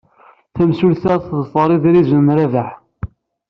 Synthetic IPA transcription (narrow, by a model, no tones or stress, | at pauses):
θæmsulθæɾθðsˤɑɾˤiðɾizənɾævəħ